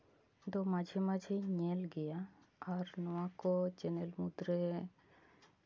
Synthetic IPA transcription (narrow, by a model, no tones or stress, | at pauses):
d̪omad͡ʒʱimad͡ʒʱiɲelɡɛja | aɾnɔakot͡ʃenelmud̪ɾe